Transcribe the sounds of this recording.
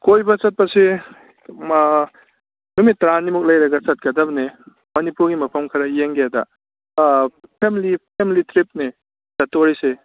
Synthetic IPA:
kojbɐt͡ʃɐt̚pɐse | numitːɾanːimuk̚lɐjɾɐɡɐt͡ʃɐt̚kɐdɐbɐne | mɐnipuɾɡimɐpʰɐmkʰɐɾɐjeŋɡeadɐ | pʰemilipʰemilitʰɾip̚ni | zɐtːoɾise

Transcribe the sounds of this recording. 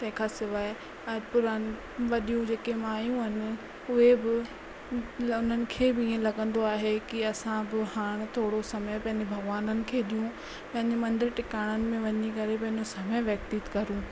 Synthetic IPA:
t̪ɐ̃ɦɪ̃kʰaːsɪʋaːe | ɛːpʊɾanɪ | ʋɐɗijũd͡ʑeːkemaːjũɦɪnɪ̆ | ʊɦebɪ | ʊn̤ənɪ̆kʰeːbɪiːẽlɐɠə̃nd̪oaːɦekiɐsãbɪhaːɽ̃t̪ʰoːɽosɐməjpɐ̃ɦɪ̃ɲd͡ʑebʱɐɡʋaːnənɪ̆kʰeːɗ̪ijũ | pɐ̃ɦɪ̃ɲd͡ʑemɐ̃nd̪ɪɾʈɪkaːɽ̃ənɪ̆mẽʋɐɲikɐɾep̬ɐ̃ɦɪ̃ɲd͡ʑosɐməjʋjɐk̚t̪iːt̪kɐɾũː

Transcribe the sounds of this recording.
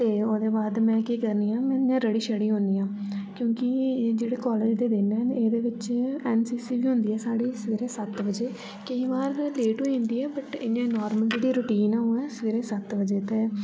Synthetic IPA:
t̪eːoːd̪eːbaːd̪mɛ̃ːkiːkəɾniːãːmɛ̃ːãːɾəɽiːʃəɽiːɦõnd̪iːãːkjõːkɪd͡ʒeːɽeːkɔːleːd͡ʒd̪eːd̪ɪnɛneːd̪eːʋɪt͡ʃɛːnsiːsiːʋiːɦʊ̃nd̪iːɛːsaːɽiːsəʋeːɾeːsət̪ʋəd͡ʒeː | kəiːbaːɾleːʈũːĩːnd̪iːɛːbəʈɪjãːnɔːɾməld͡ʒeːɽiːɾʊːʈiːnɛːoːɛːsəʋeːɾeːsət̪ʋəd͡ʒeːt̪eː

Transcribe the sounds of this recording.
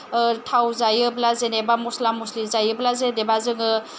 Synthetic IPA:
tʰawzajɯblazenebamuslamːuslizajɯblazedebazɯŋɯ

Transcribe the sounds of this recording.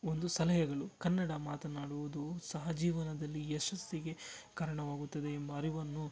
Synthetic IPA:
ond̪usɐlɐɦɐɡɐɭukɐnːɐɽɐmaːt̪ɐnaːɽuʋud̪usɐɦɐd͡ʒiːʋɐnɐd̪ɐlːiɛʃɐst̪iɡe̞kaːɾɐɳɐʋaːɡut̪ːɐd̪eːmbɐːɾiʋɐnːu

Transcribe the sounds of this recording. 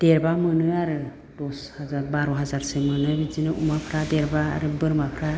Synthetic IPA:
d̥eɾbamɯnɯaɾɯ | d̥ɔshazaɾbaɾɔɦazaɾsemɯnɯbizinɯʔṵmapʰɾadɛɾba̰ːɾɯbɯɾmapʰɾa

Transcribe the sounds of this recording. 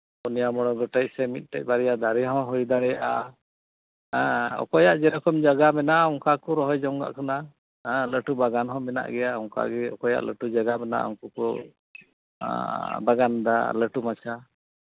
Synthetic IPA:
unijamɔɽ̃ɔɡɔʈɛc̚sɛmit̪̚ˀʈɛc̚ˀbaɾɛjad̪aɾɛɦɔ̃ɦɔjd̪aɽɛjaʔa | ɔ̰kɔjaʔd͡ʒɛɾɔkɔmd͡ʒaɡamɛnaɔŋkakɔɾɔɦɔjd͡ʒɔŋɡa̰ʔkana | ɛ̃ləʈubaɡanɦɔ̃mɛna̰ʔɡɛjaɔŋka̰ɡɛɔ̰kɔja̰ʔlə̰ʈud͡ʒaɡamɛna̰ʔɔ̰ŋkukɔ | baɡand̪a̰ləʈumat͡ʃʰa

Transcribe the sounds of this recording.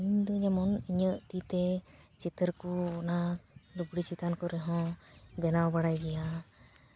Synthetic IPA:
iɲd̪ɔd͡ʒɛmɔniɲəʔt̪it̪ɛt͡ʃit̪əɾkunad̪ubɽit͡ʃit̪ankɔɾɛɦɔ̃bɛnawbaɽajɡɛja

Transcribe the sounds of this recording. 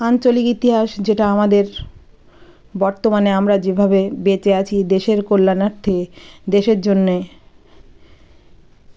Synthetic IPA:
ant͡ɕolikit̪iɦaʃd͡ʑeʈaamad̪eɾ | bɔɾt̪omaneamɾad͡ʑebʱabebet͡ɕeat͡ɕʰid̪eʃeɾkolːanaɾt̪ʰed̪eʃeɾd͡ʑonːe

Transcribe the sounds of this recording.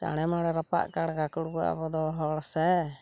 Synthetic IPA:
t͡ʃa̰ɽ̃ɛmaɽɛɾapa̰ʔkaɽɡakuɽɡua̰bɔd̪ɔɦɔɽsɛ

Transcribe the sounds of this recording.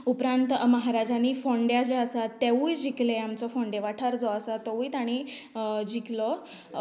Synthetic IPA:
upɾãnt̪məɦaɾad͡ʑaniːfɔ̃ɳɖjad͡ʑeəsat̪ːeujd͡ʑikleamt͡sɔfɔ̃ɳɖeʋaʈʰaɾd͡zɔəsat̪ɔʋuit̪aɽ̃i | d͡ʑiklɔ

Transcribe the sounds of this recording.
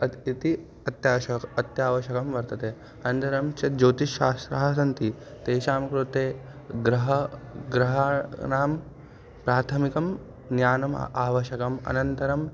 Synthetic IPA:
ɐit̪i | ɐt̪jaːɐɐt̪jaːʋɐʃɐkɐmʋɐɾt̪ɐt̪eː | ɐnɐnt̪ɐɾɐmt͡ʃɐd͡ʒoːt̪iʃaːst̪ɾɐɦɐsɐnt̪it̪eːʃaːmɐkɾut̪eː | ɡɾɐɦɐɡɾɐɦanaːm | pɾaːt̪ʰɐmikɐm | njaːnɐm̰aːʋɐʃɐkɐmɐ̰nɐnt̪ɐɾɐm

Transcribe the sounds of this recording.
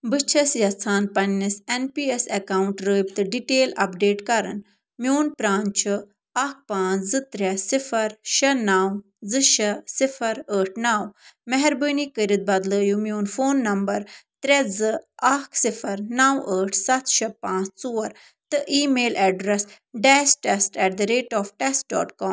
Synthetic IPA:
bɨt͡ʃʰɐsjɐt͡sʰaːnpɐnːisenpiːesɐkaːwɳʈɾəːjb̚t̪ɨɖiʈeːlɐ̰pɖeːʈkɐɾɐ̰n | mjoːnpɾaːnt͡ʃʰɨ | ɐk̚pãːt͡szɨt̪ɾʲɛsifɐɾʃɐnaːw | zɨʃɐsifʰɐɾəːʈʰnaːwmɛɦɛɾbənikəɾit̪̚bɐd̪ləːjumjoːnfoːnːɐmbɐɾt̪ɾɛd͡zɨɐkʰsifɐɾnawəːʈʰsɐt̪ʃɐpãːt͡st͡soːɐɾ | t̪ɨʔiːmeːlɛɖɾɛs | ɖɛːsʈɛsʈɛːʈ̚d̪ɐɾeːʈɔːfʈɛsʈ̚ɖɔ̰ːʈkɔːmm

